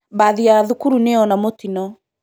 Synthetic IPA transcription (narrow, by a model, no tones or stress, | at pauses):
baðiaðukuɾuneɔnamotinɔ